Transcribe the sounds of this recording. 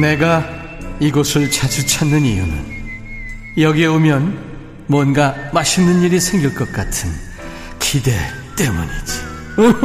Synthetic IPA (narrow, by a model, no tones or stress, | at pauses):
ne̞ɡa | iɡosʰɯɭt͡ɕʰad͡ʑut͡ɕʰanːɯnijunɯ̰n | jʌɡieomjʌn | mwʌnɡamaɕʰinːɯniɾisʰe̞ŋɡiɭk͈ʌk̚k͈atʰɯn | kʰide̞ | t͈emuɲid͡ʑi̥